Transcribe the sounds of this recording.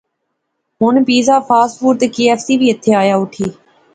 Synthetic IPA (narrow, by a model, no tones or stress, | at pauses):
ɦʊnpiːzaːpʰaːsfuːɾt̪keːɛːfsiːbʱiːət̪ʰːeːaːjaːʊʈʰiː